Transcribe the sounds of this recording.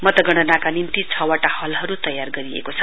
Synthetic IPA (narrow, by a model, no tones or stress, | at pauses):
mʌt̪ʌɡʌɽ̃ʌnakanint̪it͡sʰʌwaʈahʌlɦʌɾut̪ʌjarɡʌɾiḛkot͡sʰʌ